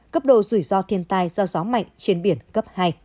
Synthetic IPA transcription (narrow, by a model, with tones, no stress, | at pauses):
kə˦˥p̚ɗo̰˧˨zɨ˧˩jzɔ˧t̪ʰi˧ənt̪aː˧jzɔ˧zɔ˨˦ma̰˧˨jŋ̟t͡ɕe˧nɓi˧˩ənkə˦˥p̚haː˧j